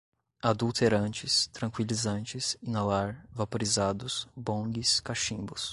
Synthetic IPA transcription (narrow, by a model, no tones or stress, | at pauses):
ad̪uwt̪ʰeɾɐ̃nt͡ʃɪst̪ɾɐ̃ŋkwilizɐ̃nt͡ʃɪsĩŋalaɾvapoɾizad̪ʊsbõɡɪskaʃĩbʊs